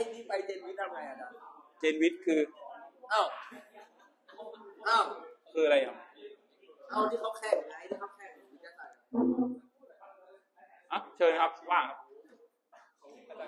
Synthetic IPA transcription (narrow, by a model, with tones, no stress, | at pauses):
a˧˩niː˥˩pa˧jt͡ɕe˧nwi˦˥t̪̚ʔa˧ɾa˧jʔa˨˩ka˧˩t͡ɕeː˧nwi˦˥t̪̚kʰɯː˧ʔa˧˩w | ʔa˧˩wkʰɯː˧ʔa˧ɾa˧ja˨˩ŋ | ʔa˧wt̪ʰiː˥˩kʰa˦˥wkʰɛː˥˩ŋ˨˩na˧˦˥jt̪iː˥˩kʰa˦˥˩wkʰɛː˥˩ŋ̚˨˩i˦˥t̪̚ːa˧˩sa˧˩˧ | ʔa˧˩t͡ɕʰɤː˧nkʰa˦˥p̚waː˥˩kʰa˦˥p̚